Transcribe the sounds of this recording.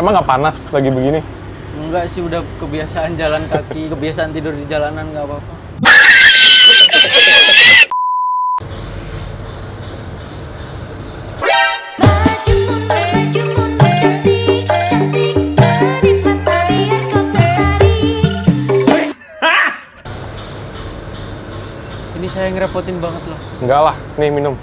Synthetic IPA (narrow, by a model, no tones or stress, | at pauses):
emaŋɡapanaslaɡibəɡini | ɡaʔsɪhudakəbiasaʔːnd͡ʒalankakikəbiasaːnt̪idʊrdid͡ʒalanankapapa | baad͡ʒuʊaat͡ʃuʊaaiai | ɾipaaɾiakataaɾi | inisajaŋɾepot̪ɪmbaŋət̪̚lohŋɡalahnɪhminʊm